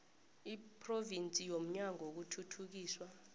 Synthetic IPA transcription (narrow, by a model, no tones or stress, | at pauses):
ipʰʼrɔvint͡sʼijom̩ɲaŋʱok̬utʰutʰuk̬iːswa